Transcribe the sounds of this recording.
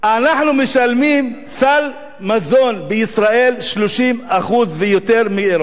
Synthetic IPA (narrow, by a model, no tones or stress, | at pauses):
anaħnumeʃalmim | sal | mazo̞nbeisʁaʔe̞lʃloʃimaχuzvejot̪e̞ʁmieɾo